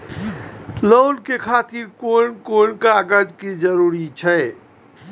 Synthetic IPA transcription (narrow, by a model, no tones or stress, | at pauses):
loːlkekʰat̪iɾkonkoɳkaɡəɾd͡ʒked͡ʒəɾuɾit͡ʃʰɛ